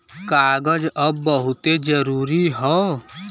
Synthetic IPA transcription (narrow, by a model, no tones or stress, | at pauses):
kaːɡəd͡ʒəbːəɦʊt̪ed͡ʒəɾuːɾiɦɔː